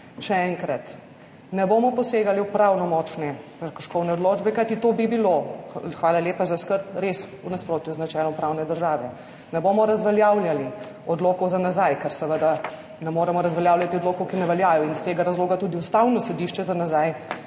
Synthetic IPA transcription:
ʃɛɛŋkɾat̪ | nɛboːmɔpɔseːɡaliupɾawnɔmɔt͡ʃnɛkəkəɾʃkɔwnɛɔd̪loːd͡ʒbɛkajt̪it̪obibiloxʋaːlaljeːpazaskəɾpɾes | unaspɾoːt̪juznat͡ʃɛːlɔmpɾawnɛd̪əɾʒaːʋɛ | nɛbomɔɾɐzʋɛljawljali | ɔd̪loːkɔwzanazajkɛɾsɛʋəd̪a | nɛmoːɾɛmɔɾɐzʋɛljaːwlʲjat̪iɔd̪lokɔwkinɛʋɛljaːjɔinst̪eːɡaɾazloːɡat̪uːd̪iust̪awnɔsɛd̪iʃt͡ʃɛzanazaj

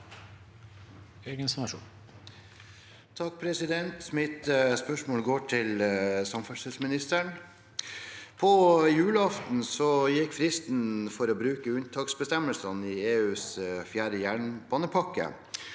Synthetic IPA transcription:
eːɡənsnɑʂṵːn | t̪ʰɑk̚pʰɾɛsɪd̪ɛnt̪mɪt̪spœʂmoːlɡoːʈʰɪlsɑmfœsəsmɪnɪst̪əɳ | pʰɔjʉːləɑft̪n̩sɔjɪkːfɾɪst̪n̩fɔɾɔːbɾʉːkəʉnt̪ʰɑːksbəst̪ɛmːəlsɑnɪeːʉːsfjæːɖəjæːɳbɑːnəpʰɑkːə̰

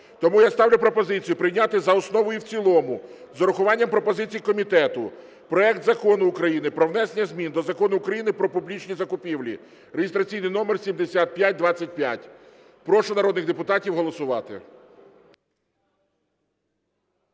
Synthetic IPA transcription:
t̪ɔmujast̪ɑwlʲʊpɾɔpɔzɪt͡sʲijʊpɾɪjnʲat̪ɪzɐɔsnɔʋɔjiwt͡sʲilˠɔmʊ | zɔɾʊxʊʋɑnʲːɐmpɾɔpɔzɪt͡sʲijikɔmʲit̪ɛt̪ʊ | pɾɔɛkt̪zɐkɔnʊːkɾɐjinɪpɾɔwnɛsenʲːɐzʲmʲind̪ɔzɐkɔnʊːkɾɐjinɪpɾɔpublʲit͡ʃnʲizɐkʊpʲiwlʲḭ | ɾeɦʲɪst̪ɾɐt͡sʲijnɪjnɔmersʲimd̪esʲat̪̚pʲjat̚ʲd̪ʋɑt͡sʲːɐt̚ʲpʲja̰tʲ | pɾɔʃʊnɐɾɔd̪nɪɣd̪epʊt̪ɑtʲiwɦɔlˠɔsʊʋɑt̪ɪ̰

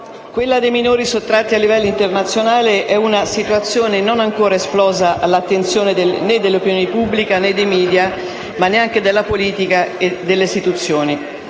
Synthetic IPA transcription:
kwelːad̪ejminoːɾisot̪ːɾat̪ːialːivɛlːoint̪ernat̪sːjonaːleʔɛunasit̪uat̪sːjoːnenonaŋkoːɾaesplɔːzaʔalːat̪ːent̪sjoːned̪ened̪ːelːeopinjoːnepubːlikaned̪ːejmiːd̪ja | manːeaŋked̪elːapoliːt̪ikaed̪ːelːeist̪it̪ut̪sːjoːni

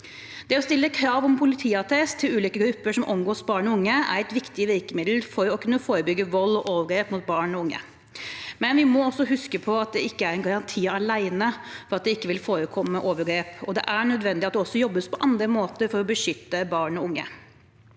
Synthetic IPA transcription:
d̪̥ɛɔst̪ɪlːəkʰɾɑːʋɔmpʰʊlɪt̪ʰiːɑt̪ʰɛst̪ʰːɪlʉːliːkəɡɾʉpːəʂɔmʔɔmɡoːsbɑːɳɔʊŋːəæ̰ɾæɪt̪ʋɪkt̪ɪʋɪkəmɪd̪l̩fɔɾɔkʰʉnːəfoːɾəbʏɡːəʋɔlːɔʔoːʋəɡɾeːpmʊt̪̚bɑːɳɔʊŋːə̰ | mɛnʋɪmɔɔsːɔɦʉskəpʰɔɑt̪̚d̪ɛɪkːəæɾɛnɡɑɾɑnt̪ʰiːɑlæɪnəfɔɾɑt̪̚d̪ɛɪkːəʋɪlfoːɾəkʰɔmːəʔoːʋəɾɡɾeːpɔd̪ɛ̰ʔæɳœd̪ʋɛnd̪ɪɑt̪d̪ɛɔsːɔjɔbːəspʰɔʔɑnd̪ɾəmoːt̪əɾfɔɾɔbəʂʏt̪ːəbɑːɳɔʊŋːə̰

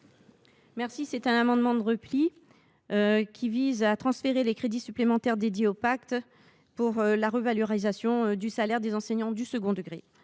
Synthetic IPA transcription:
mɛʁsisɛt̪ɛ̃namɑ̃d̪mɑ̃d̪əʁəpli | økʲʰivizat̪χɑ̃sfeʁelekχed̪isyplemɑ̃t̪ɛʁd̪ed̪jeopakt̪ | puʁlaʁəvaløʁizasjɔ̃d̪ysalɛʁd̪ezɑ̃sɛɲɑ̃d̪ysəɡɔ̃d̪əɡʁe

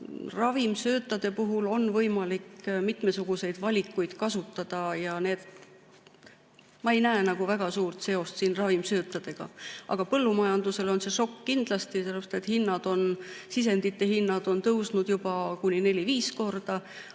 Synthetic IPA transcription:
rɑvimsø̞ːt̪ːˑɑd̪̥e̞puɦulo̞nvɤjmɑlikmit̪me̞suɡ̥use̞jd̪̥vɑlʲikːˑujd̪̥kɑsut̪ːˑɑd̪̥ɑjɑne̞ːd̪̥ | mɑe̞jnæenɑɡ̥uvæɡ̥ɑsuːrt̪se̞o̞st̪siːnrɑvimsø̞ːt̪ːˑɑd̪̥e̞ɡ̥ɑ̰ʔɑ̰ɡ̥ɑpɤlːumɑjɑnd̪use̞lo̞nse̞ʃo̞kːind̪̥lɑst̪iselepse̥t̪et̪hinːɑd̪̥o̞nsis̬e̞nd̪it̪ˑːe̞ɦinːɑd̪̥o̞nt̪ɤwsnud̪̥jub̥ɑkunʲːine̞lʲiviːsko̞rd̪̥ɑ

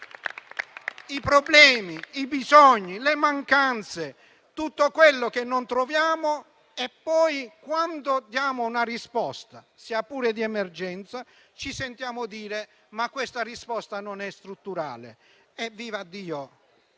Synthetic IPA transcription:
ipɾɔblɛːmiibizɔɲːilemaŋkant̪se | t̪ut̪ːokwelːokenːont̪ɾovjaːmo | epːɔːjkwand̪od̪jaːmounarispɔst̪a | siːapːuːɾed̪iɛmɛrd͡ʒɛnt̪sa | t͡ʃisent̪jaːmʊd̪iːɾe | makːwest̪arispɔst̪anonɛst̪ɾut̪ːuɾa̰ːlḛ | ɛvːiːvad̪ːiːo

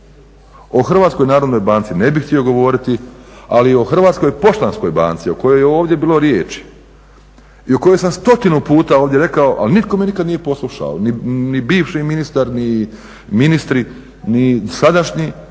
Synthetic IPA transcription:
o̞xr̩ʋaːt̪skojnaːɾo̞d̪no̞jbaːnt̪sine̞bixt̪io̞ɡo̞ʋo̞ːɾit̪ialio̞xr̩ʋaːt̪sko̞jpo̞ʃt̪ansko̞jba̰ːnt̪sio̞ko̞jo̞jeo̞ːʋd̪je̞biːlo̞ɾjeːt͡ʃi̥ | io̞kojo̞jsamst̪o̞t̪inupuːt̪aoːʋd̪jeɾe̞kaoʔa̰linit̪̚ko̞menikad̪nije̞po̞slˠuʃa̰o̰ninibiːʋʃiminist̪aɾni | minist̪ɾi | nisad̪aʃɲi

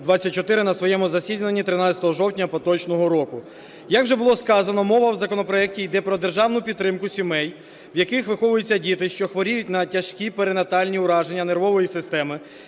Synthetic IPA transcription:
d̪ʋɑt͡sʲːɐt̚ʲt͡ʃɔt̪ɪɾɪnɐsʋɔjɛmʊzɐsʲidʲnenʲːit̪ɾɪnɑt͡sʲɐ̥t̪ɔɦɔʒɔwtʲnʲɐpɔt̪ɔt͡ʃnɔɦɔɾɔkʊ | jɐkwʒɛbʊlˠɔskɑzɐnɔmɔʋɐwzɐkɔnɔpɾɔɛk̚tʲijd̪ɛpɾɔd̪erʒɑwnʊpʲid̪t̪ːɾɪmkʊsʲimɛj | ʋjɐkɪxʋɪxɔʋʊjʊt͡sʲːɐdʲit̪ɪʃt͡ʃɔxʋɔɾʲijʊtʲnɐtʲɐʃkʲipeɾenɐt̪ɑlʲnʲiʊɾɑʒenʲːɐne̞rʋɔʋɔjisɪst̪ɛmɪ

